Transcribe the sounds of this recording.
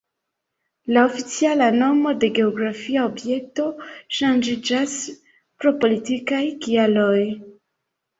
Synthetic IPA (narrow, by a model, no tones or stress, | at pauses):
lao̞fit͡sialano̞mo̞de̞ɡe̞o̞ɡɾafiaobje̞k̚to̞ʃand͡ʒid͡ʒas | pɾo̞po̞litikajkialo̞j